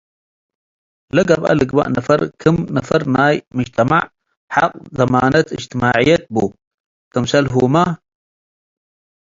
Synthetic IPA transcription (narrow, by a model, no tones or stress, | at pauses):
lɐɡɐbɐ̰lɨɡba̰ʔnɐfɐɾkʰɨmnɐfɐɾnaːjmɨd͡ʒt̪ʰɐmaʕ | ħaq̚ʼzɐmaːnɐt̪ʰɨd͡ʒt̪ʰimaːʕijɐt̪̚bu | kɨmsɐlɦuma